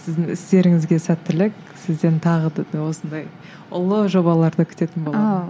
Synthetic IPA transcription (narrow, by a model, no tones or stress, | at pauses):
sɪzd̪ɪŋɪst̪e̞ɾɪŋɪzɡʲe̞sæt̪ːɪlɪk | sɪzd̪e̞nt̪ʰɑʁəd̪wo̞sənd̪ɑj | ʊlˠəʒo̞bɑlˠɑɾd̪əkʲʰʏ̥t̪e̞t̪ɪnbolˠɑ